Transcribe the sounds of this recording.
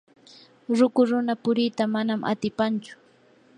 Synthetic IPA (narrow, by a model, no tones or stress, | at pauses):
ɾʊkʊɾʊnapʊɾɪt̪amanamʔa̰t̪ɪpant͡ʃʊ̥